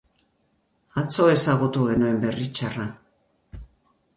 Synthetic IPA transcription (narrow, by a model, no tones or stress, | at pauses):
at͡so̞e̞saɣut̪uɣe̞nue̞mbe̞rit͡ʃara